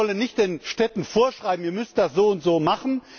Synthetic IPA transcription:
ɔlənːɪçt̚d̥eːnʃtɛtn̩foːɐʃʁ̥aɪbm̩iːɐmʏstd̥asz̥oːʊntz̥oːmaχn̩

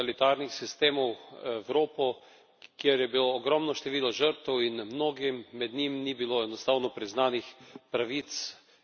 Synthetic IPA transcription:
alit̪aɾnixsist̪eːmɔwɛwɾoːpɔ | kjeɾjɛbiloːɡɾɔmnɔʃt̪ɛʋiːlɔʒəɾt̪ɛwinmnoːɡimːɛd̪nimnibiloɛnɔst̪aːwnɔpɾiznaːnixpɾaʋit̪s

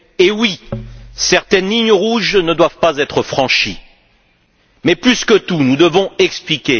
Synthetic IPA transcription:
ewisɛʁt̪ɛnliɲəʁuʒnəd̪wavpazɛt̪χəfχɑ̃ʃi | mɛplyskət̪unud̪əvɔ̃ɛksplikʲe

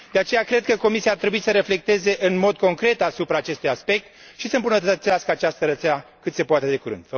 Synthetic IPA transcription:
d̪eat͡ʃe̞jakɾe̞d̪̚kəko̞misiaːrt̪ɾe̞buisəɾe̞fle̞k̚t̪e̞ze̞ʔɨnmo̞d̪̚ko̞ŋkɾe̞t̪asupɾaːt͡ʃe̞st̪ujaspe̞k̚t̪ | ʃisəmbunət̪ət̪ət̪siaskəat͡ʃast̪əɾət̪seakɨt̪se̞poat̪e̞d̪e̞kuɾɨ̰nd̪

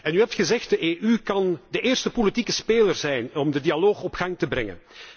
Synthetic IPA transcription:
ɛnyɦɛp̚txəzɛxtdəʔeːʔykɑndəʔeːrstəpolitikəspeːlərzɛjnɔmdədialoːxɔpxɑŋtəbɾɛŋə̰n

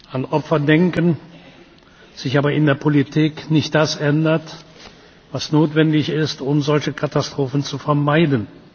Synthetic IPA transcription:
ʔanʔɔpfɐdɛŋkən | z̥ɪçaːbɐɪndeːɐpʰolitʰiːknɪçt̚d̥asʔɛndɐt | vasnoːtv̥ɛndɪçɪstʊmzɔlçəkʰatastʁ̥oːfn̩t͡sufɛɐmaɪdən̩

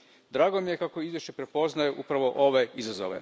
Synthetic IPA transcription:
d̪ɾaːɡomije̞kako̞izʋje̞ʃt͡ɕe̞pɾe̞po̞znajeʔupɾaʋo̞ʔo̞ʋe̞izazo̰ʋḛ

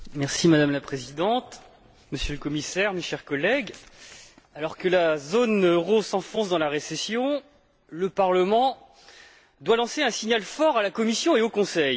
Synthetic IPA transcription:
mɛʁsimad̪amlapχezid̪ɑ̃t̪ | məsjøləkɔmisɛʁmeʃɛʁkɔlɛɡ | alɔʁkəlazonøʁosɑ̃fɔ̃sd̪ɑ̃laʁesesjɔ̃ | ləpaʁləmɑ̃ | d̪walɑ̃seɛ̃siɲalfɔʁalakɔmisjɔ̃eokɔ̃sɛj

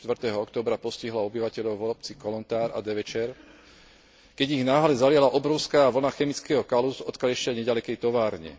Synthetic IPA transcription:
t̪ʋr̩t̪ɛːɦɔɔkt̪ɔːbɾapɔsciɦlaɔbiʋacɛʎɔʊʋɔɔpt͡sikɔlɔnt̪aːɾa̰d̪ɛʋɛt͡ʃɛɾ | kɛɟiɣnaːɦlɛzalɪalaʔɔbɾɔʊskaːʋl̩naxɛmit͡skɛːɦɔkalusɔt̪kalʎɛʃaɲɛɟalɛkɛjt̪ɔʋaːɾɲɛ̰

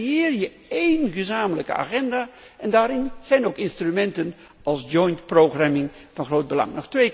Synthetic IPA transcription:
jɪːrjə | ejnχəzaːmələkə̰a̰ːχɛndaː | ʔɛndaːɾɪnz̥ɛjnowkɪnstrymɛntən | ɑlˠsd͡ʒɔjntproχramɪŋ | v̥ɑnχrowd̚bəlɑ̰ŋnɔχtʋej

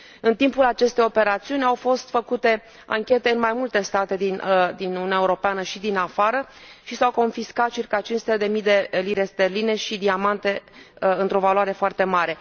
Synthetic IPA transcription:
ɨnt̪impulat͡ʃe̞st̪e̞jo̞pe̞ɾat̪siunʲawfo̞st̪fəkut̪e̞ | a̰ŋkʲe̞t̪e̞ɨnmajmult̪e̞st̪at̪e̞d̪ind̪inununaeuɾo̞peanəʃid̪inafaɾəʃisawko̞nfiskat̪̚t͡ʃirkat͡ʃinsut̪ed̪e̞mijd̪e̞liɾe̞st̪e̞rline̞ʃid̪iamant̪e̞ɨnt̪ɾo̞valwaɾe̞foart̪e̞maɾe̞

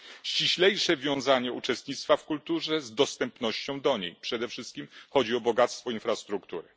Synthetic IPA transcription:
ɕt͡ɕiɕlɛjʂɛvʲjɔ̃w̃zaɲɛut͡ʂɛst̪ɲit̪st̪fafkult̪uʐɛzd̪ɔst̪ɛmpnɔɕt͡ɕɔ̃w̃d̪ɔɲḛjpʂɛd̪ɛfʂɘst̪̚kʲimxɔd͡ʑiɔbɔɡat̪st̪fɔinfɾast̪ɾukt̪uɾɘ

